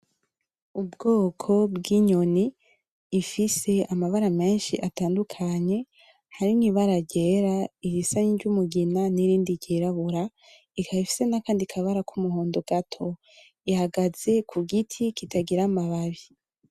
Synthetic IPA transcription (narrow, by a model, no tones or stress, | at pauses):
ubɡo̞ːkʰo̞bɡiɲo̞niː | fise̞amaβaɾame̞ːnʃḭʔataːndukʰaɲe̞ | haɾiniβaɾaɟe̞ːɾaiɾisaɲiɟumuɡinaniɾiːndiɟiɾaβuɾa | ikʰaβifi̥se̞nakaːndikʰaβaɾakumuɦoːndoɡ̥atʰo̞ | ihaɡaz̥e̞kʰuɡitʰikitʰaɡiɾamaβaβi